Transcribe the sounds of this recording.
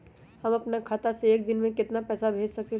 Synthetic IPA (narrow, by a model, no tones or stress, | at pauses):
hɐmɐpnakʰaːt̪aseːk̚d̪ɪnmẽkɪt̪napɛːsabʱeːd͡ʒsɐke